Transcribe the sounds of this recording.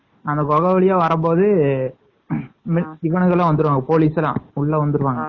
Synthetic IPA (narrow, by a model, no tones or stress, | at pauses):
ɐnd̪ɐkɔɣɐʋɐɭɪjaːʋɐɾɐmpoːðɯ | mɪɪʋɐɳɯɣɐlːãːʋɐnd̪ɯɾɯʋaːŋɡɐpoːliːsɛlã̰ːʊɭːɐʋɐnd̪ɯɾɯʋaːŋɡɐ